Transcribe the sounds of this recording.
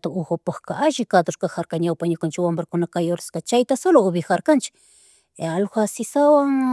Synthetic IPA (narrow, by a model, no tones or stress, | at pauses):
t̪aoxopahkaʔaʒɪkad̪oɾkaxaɾkaɲawpaɲʊkant͡ʃɪwambɾakʊnakajoɾɪskat͡ʃajt̪asolooβɪxaɾkant͡ʃɪ̥k | alxʷasɪsawaŋ